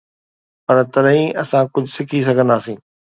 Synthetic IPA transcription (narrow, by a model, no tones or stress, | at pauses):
pɐɾt̪ɐɾɦĩʔɐsãkʊd͡ʑʱʊsɪkʰis̬ɐɡʱə̃nd̪aːsĩː